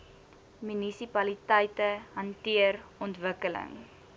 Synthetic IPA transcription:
mynisipɐlitɛjtəɦɐntiərɔntvəkələ̰ŋ

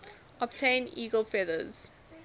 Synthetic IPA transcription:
ɔbtʰẽɪ̃niːɡəlfɛdəz̥

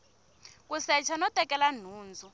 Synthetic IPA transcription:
k̬usɛt͡ʃʰanɔtʼɛkɛlan̤uːnd͡zʱu

